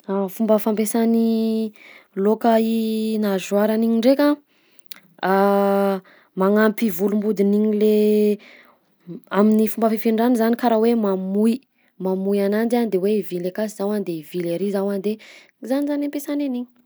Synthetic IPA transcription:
afumbəfampesani | lokəinazwaɾaniɲiɳɖ͡ʐekʲa | a | maŋampivulumbud̪iniɲile | aminifumbəfifiɳɖ͡ʐanizanikaɾawemamui | mamujanand͡ʒand̪ewevilekasizawand̪evileɾizawand̪e | zanizanempesaneniɲi̥

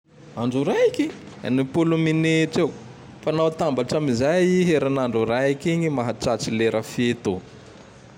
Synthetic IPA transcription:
aɳɖ͡ʐuɾajikiɲi | a̰nipulumineʈ͡ʂew | fanawt̪ambaʈ͡ʂamizajiɦeɾanaɳɖ͡ʐuɾajikiɲimaɦaʈ͡ʂat͡sileɾʔəfet̪u

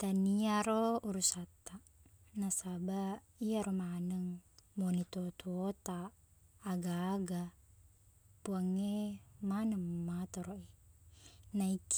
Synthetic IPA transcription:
t̪aniaɾouɾusat̪a | nasaba | iaɾomanəŋmonit̪ot̪uot̪aː | ɡaːɡa | puaŋemanəmmat̪oɾoi | naik

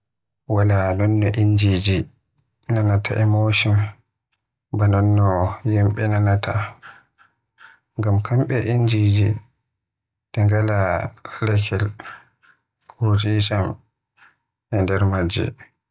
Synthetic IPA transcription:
walanɔnːɔʔind͡ʒid͡ʒi | nanatʰa̰ʔɛmoʃɔn | banɔnːɔjimɓɛnanatʰa | ŋɡamkʰamɓɛʔind͡ʒid͡ʒi | d̥ɛŋɡalalɛkʰɛl | kʰuɾutit͡ʃam | ʔɛndɛɾmad͡ʒḭ

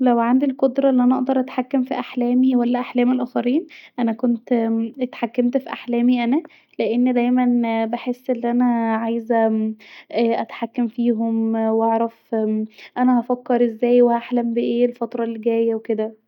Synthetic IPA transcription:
læwʕand̪ilkod̪ɾˤɑʔelːiʔænæʔɑʔd̪ɑɾˤʔæt̪ħakːæmfiʔaħlæːmiwælːæʔaħlæːmelʔæːxæɾiːnʔænækont̪et̪ħakːemt̪fiʔaħlæːmiʔænæ | leʔenːd̪æjmænbeħesːʔelːiʔænæʕajzæ | ʔʔæt̪ħakːæmfiːɦomwʔɑʕɾˤæf | ʔænæhæfækːɑɾˤʔezːæːjwehaħlæmbeʔeːelfɑt̪ɾˤɑlːiɡæːjːæweked̪æ

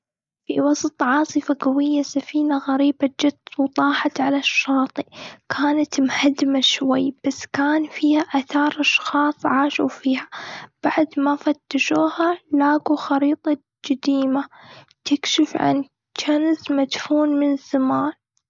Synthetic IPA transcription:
fiwɑsˤt̪ˤʕɑːsˤɨfaɡawɪjːasafiːnaɣaɾiːbad͡ʒat̪ːwt̪ˤɑːħɑt̪ʕalaʃːɑːt̪ˤikʰaːnat̪mhad̪maʃwajːb̥asːkaːnfiːhaʔaθɑːɾˤʔɑʃxɑːsˤʕaːʃufiːhab̥aʕd̪mafat̪ːaʃuːhalaːɡuxɑɾiːt̪ˤɑ | d͡ʒɪd̪iːma | t̪ɪkʃɪfʕa̰n | t͡ʃanzmad̪fuːnmɪnsamaːʕ

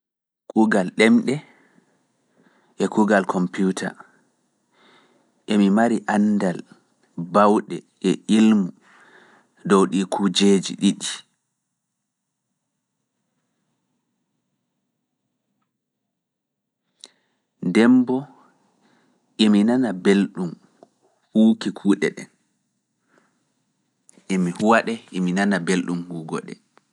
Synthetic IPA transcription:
kʰuɡalɗɛmɗɛ | ʔɛkuɡalkʰɔmputʰa̰ | ʔɛmimaɾiʔandal | bawɗɛʔɛʔilmu | dɔwɗikʰud͡ʒeːd͡ʒḭɗiɗi | ndɛmbɔ | ʔiminanabelɗum | huːkikʰuːɗɛɗɛ̰n | ʔemihuwaɗɛʔiminanabelɗumhuːɡɔɗɛ̰

